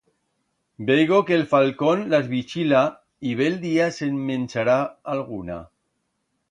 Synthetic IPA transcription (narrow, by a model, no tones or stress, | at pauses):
beɣokelfalkonlazβit͡ʃila | iβeld̪iasemːẽnt͡ʃaɾaalɣuna̰